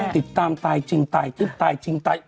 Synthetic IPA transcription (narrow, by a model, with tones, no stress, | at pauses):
t̪i˨˩˦p̚t̪aː˧mt̪aː˨˩jt͡ɕï˧˩ŋ̟t̪aː˨˩jt̪ɨ˦˥p̚t̪aː˨˩jt͡ɕï˧ŋ̟t̪a̰ː˨˩j